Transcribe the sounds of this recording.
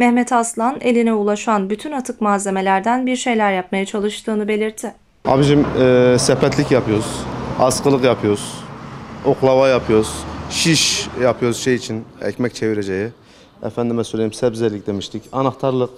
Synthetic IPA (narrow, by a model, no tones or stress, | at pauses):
mɛhmɛt̪ʰaslˠanelʲinɛulˠaʃanbyt̪ʰynat̪ʰɯkmaːze̞me̞lʲæɾd̪ænbiɾʃe̞jlʲæɾjap̚majat͡ʃʰalˠɯʃt̪ʰɯːnɯbe̞lʲiɾt̪ʰɪ | a̰biʃimːsɛpɛt̪lʲicjapʰɯjo̞ɾz̥asqɯlˠɯqjapʰɯjoɾz̥ | oklˠavajapʰɯjo̞ɾz̥ʃiʃjapʰɯjoɾzʃejit͡ʃʰinɛ̰cmɛct͡ʃʰeviɾed͡ʒeji | ɛ̰fænd̪imɛsøjlʲejimsɛbzɛlʲic̚d̪e̞miʃt̪ʰicanaxt̪ʰaɾlˠɯq